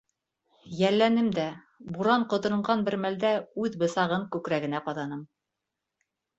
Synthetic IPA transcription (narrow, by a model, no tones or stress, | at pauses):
jælːænɘmd̪æ | buɾɑɴqŏt̪ɤ̆ɾɤ̆ɴʁɑnbɘ̆ɾmæld̪æʉðbɤ̆sɑʁɤŋkʉkɾæɡɘ̆næqɑðɑnɤm